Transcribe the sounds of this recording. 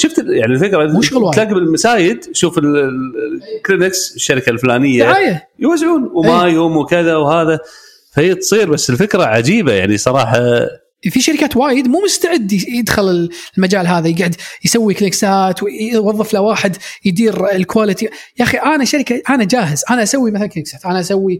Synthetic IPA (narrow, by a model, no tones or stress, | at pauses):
ʃʊft̪jaʕnilfɪkɾˤɑmʊʃɣlwaːlaːɡɪbɪlmasaːjɪd̪ʃuːfɪl | klɪnɪksɪʃːaɾɪkalflaːnɪjːaʕaːjajwazʕuːnwmajoːmwkɪðawhaːða | fahiːt̪sˤiːɾbasːɪlfɪkɾaʕad͡ʒiːbajaʕnisˤɑɾˤɑ̰ːħɑ | fiʃaɾɪkaːt̪waːjɪd̪muːmʊst̪aʕɪd̪ːjɪd̪xʊlɪllmad͡ʒaːlɦaːðajɪɡʕɪd̪jsawːiklɪksaːt̪wwɑðˤːɨflawaːħɪd̪jd̪iːɾlkwaːlɪt̪ijaːxiʔanaʃaɾɪkaʔanad͡ʒaːɦɪzʔanaʔasawːimaθalnknɪksaːt̪ʔanaʔasawːi